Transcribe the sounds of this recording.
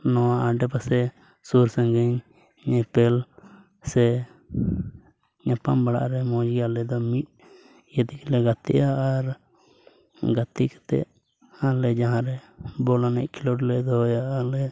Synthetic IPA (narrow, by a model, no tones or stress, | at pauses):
nɔwaʔaɖɛpasɛ | suɾsãŋɡɛɲ | ɲɛpɛl | sɛ | ɲapambaɽa̰ʔɾɛmɔ̃d͡ʒialɛd̪ɔmit̪̚ | jəd̪iklɛɡat̪ɛ̰ʔaːɾ | ɡat̪ikɛ̥t̪ɛ̰ʔ | alɛd͡ʒaɦãɾɛbɔlanɛʔ̚kilɔɖlɛd̪ɔɦɔjaʔalɛ